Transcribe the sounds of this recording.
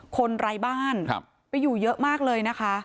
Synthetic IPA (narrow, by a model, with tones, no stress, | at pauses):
kʰo˧nɾa˧jbaː˥˩n̰ʰ˧ | pa˧jːuː˨˩jɤ˦˥ʔmaː˥˩k̚lɤː˧jna˦˥kʰa˦˥